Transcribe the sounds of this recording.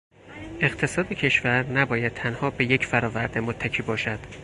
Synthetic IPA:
ʔe̞ɣt̪ʰe̞sɒːd̪ecʰe̞ʃvæɾnæbɒːjæd̪̚t̪ʰænhɒːbe̞je̞cʰfæɾɒːvæɾd̪emot̪ʰːæcʰiːbɒːʃæd̪̥

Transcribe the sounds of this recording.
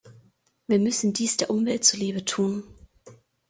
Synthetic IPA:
viːɐmʏsn̩diːsd̥eːɐʔʊmvɛlt̚t͡suːɐliːbətʰuːn

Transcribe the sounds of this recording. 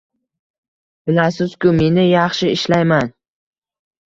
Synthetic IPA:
b̥ɪlasɪz̥kʲʊme̞nɪjɑχʃɪɪʃlajman

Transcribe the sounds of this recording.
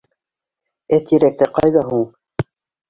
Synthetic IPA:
æt̪iɾæk̚t̪æqɑjðɑɦuwˠ

